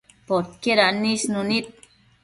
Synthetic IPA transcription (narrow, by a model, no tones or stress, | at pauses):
pot̪̚keɾanisnunit̪̚